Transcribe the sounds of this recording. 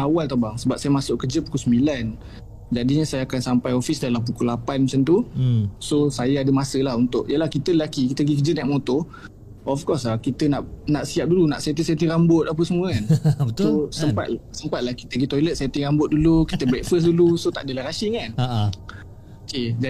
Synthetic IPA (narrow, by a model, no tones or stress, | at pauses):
awalt̪abaŋsəbap̚sajamasʊʔkːəd͡ʒəpu̥kusəmbilan | d͡ʒadiɲəsajaːkansampajofisdalamp̬ukulapanmət͡ʃant̪usosajaadəmasəlaɦunt̪ʊʔjəlahkit̪ələlakikit̪əɡikəd͡ʒənɛʔ̚mot̪ɔ | ɔfkɔsakit̪ənaʔnaʔsiap̚dulunaʔset̪̬iset̪̬ɪŋɾambʊt̪̚ap̬əsəmuəkanətsosəmpa̰t̪lsəmpat̪̚lahki̥t̪əɡit̪ɔjlət̪̚set̪ɪŋrambʊt̪̚dulukit̪əbɾɛk̚fəs̬dulusot̪a̰ʔdəlaɾasikan | ked͡ʒa